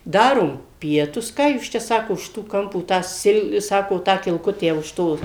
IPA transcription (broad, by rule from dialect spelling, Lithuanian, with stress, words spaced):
ˈdɑːroːm ˈpʲiɛtʊs ˈkɑː juːs ˈt͡ʃʲɛ ˈsɑːkoː ʊʃ ˈtoː ˈkɐmpoː tɑː ˈsʲɪlˠ ˈsɑːkoː ˈtɑː kʲɪlˠˈkʊtʲæː ʊʃ ˈtoː